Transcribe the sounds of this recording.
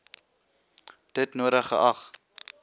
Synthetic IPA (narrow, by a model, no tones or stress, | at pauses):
d̥ətnuəɾəχə̰ʔɐχ